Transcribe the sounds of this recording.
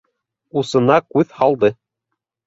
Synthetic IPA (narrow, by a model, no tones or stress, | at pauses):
usɤ̆nɑkʉðhɑlˠd̪ɤ